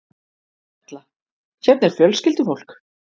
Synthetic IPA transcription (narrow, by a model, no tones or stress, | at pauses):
t̪la | çɛp̪̚nɛɾ̥fjœlscɪlt̪ʏfowl̥k